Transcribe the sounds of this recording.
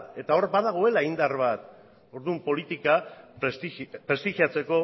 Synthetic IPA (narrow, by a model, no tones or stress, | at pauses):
e̞t̪ao̞ɾbaðaɣ̞o̞e̞laind̪arβat̪ | o̞ɾðumpo̞lit̪ikasipɾe̞st̪iɣiat͡se̞ko̞